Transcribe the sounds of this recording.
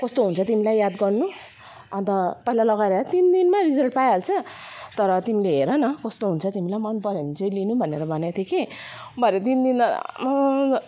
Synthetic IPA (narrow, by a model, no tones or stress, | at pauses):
kʌst̪oɦunt͡sʰʌt̪imilajjad̪ɡʌrnu | ʌnt̪ʌpʌilalʌɡaɾeɾʌt̪ind̪inmaɾid͡zʌlʈ̚pajʌlt͡sʰʌt̪ʌɾʌt̪imileɦeɾʌnʌkʌst̪oɦunt͡sʰʌt̪imilajmʌnpʌɾenit͡sʌjlinubʱʌneɾʌbʱʌnjat̪ʰjekebʱʌɾet̪ind̪in